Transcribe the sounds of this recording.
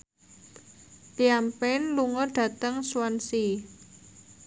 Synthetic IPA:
liampɪnluŋɔɖ̥ä̤t̪əŋswansi

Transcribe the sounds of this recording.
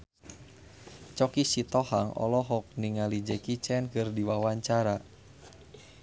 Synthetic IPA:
t͡ʃɔkisit̪ɔhaŋɔ̰lɔɦɔk̚niŋalid͡ʒɛkit͡ʃɛnkɨrdiwawaɲt͡ʃaɾa

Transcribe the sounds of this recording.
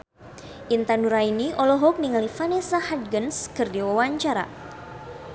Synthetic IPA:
ʔint̪anuɾainiʔɔlɔɦɔk̚niŋalifanɛsahad̪̚ɡənskɨrdiwawaɲt͡ʃaɾa̰

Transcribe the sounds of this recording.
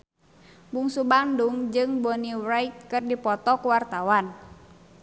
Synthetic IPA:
buŋsubanduŋd͡ʒɨŋbɔniwrajt̪̚kɨrdipɔt̪ɔkuwart̪awan

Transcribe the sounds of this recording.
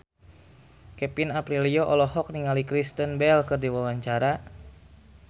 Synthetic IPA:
kɛpinapɾiliɔʔɔlɔɦɔk̚niŋalikɾist̪ənbɛlkɨrdiwawaɲt͡ʃaɾa

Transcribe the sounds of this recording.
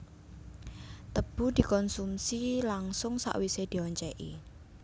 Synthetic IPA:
t̪əb̥ṳd̪̥i̤kɔnsumsilaŋsʊŋsa̰ʔwised̪̥i̤ɔɲt͡ʃɛʔḭ

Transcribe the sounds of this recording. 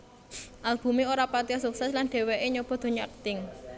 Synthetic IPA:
ʔalb̥ṳmioɾapat̪iasuksɛslanɖ̪̥e̤weʔeɲɔb̥ɔ̤d̪̥o̤ɲak̚t̪ɪŋ

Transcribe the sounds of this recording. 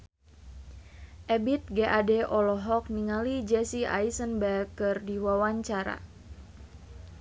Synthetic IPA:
ʔɛbit̪̚ɡeʔadɛʔɔlɔɦɔk̚niŋalid͡ʒɛsia̰jsənbɛkɨrdiwawaɲt͡ʃaɾa̰

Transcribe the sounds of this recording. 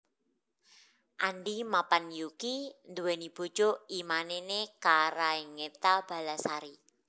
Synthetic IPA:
ʔand̪imapanjukind̪uwenib̥o̤̥d͡ʒ̥oimanenekaɾaeŋet̪ab̥a̤lasaɾi

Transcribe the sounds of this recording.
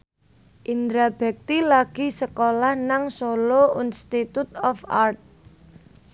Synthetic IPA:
ʔind̪ɾab̥ɛk̚t̪ilaɡ̥i̤səkolahnaŋsoloinst̪it̪ut̪̚ɔfart̪̚

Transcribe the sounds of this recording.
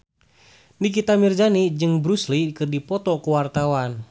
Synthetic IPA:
nikit̪amird͡ʒanid͡ʒɨŋbɾuslikɨrdipɔt̪ɔkuwart̪awan

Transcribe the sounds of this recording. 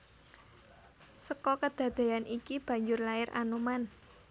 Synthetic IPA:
səkɔkəd̪̥ä̤d̪̥e̤anʔikib̥ä̤ɲd͡ʒʊrlaɪɾʔa̰numan

